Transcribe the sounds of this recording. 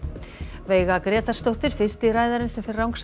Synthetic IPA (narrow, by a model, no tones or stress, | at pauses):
veːjɣakɾɛːt̪ḁst̪owht̪ɪɾ̥fɪ̥st̪iraːjðaɾɪnsɛmfɪɾrawŋks